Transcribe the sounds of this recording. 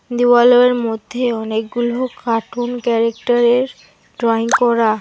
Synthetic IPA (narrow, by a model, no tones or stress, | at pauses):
d̪uwaloeɾmod̪ʱːeɔnekɡulokaʈʰunkɛɾekʈaɾeɾ | ɖɾɔiŋkɔɾa